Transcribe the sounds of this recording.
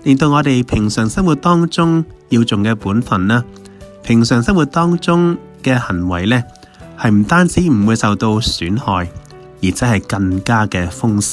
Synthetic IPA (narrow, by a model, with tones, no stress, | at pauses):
lɪ˨ŋt̪o˧wŋɔː˨˧t̪e˨jpʰɪ˨˩ŋsœː˨˩ŋsɐ˥ŋwu˨t̚t̪ɔː˥ŋt͡sʊ˥ŋjiː˧wt͡sʊ˨ŋkɛː˧puː˨˥nfɐ˨˩nlaː˥ | pʰɪ˨˩ŋsœː˨˩ŋsɐ˥ŋwu˨t̪̚ɔː˥ŋt͡sʊ˥ŋ | kɛː˧hɐ˨˩ŋwɐ˨˩jlɛː˥ | hɐ˨jm̩˨˩t̪aː˥nt͡siː˨˥m̩˨˩wuː˨˧jsɐ˨wt̪o˧wsyː˨˥nhɔː˨j | jiː˨˩t͡sɐ˥hɐ˨jkɐ˧ŋkaː˥kɛː˧fʊ˥ŋsɪ̥˥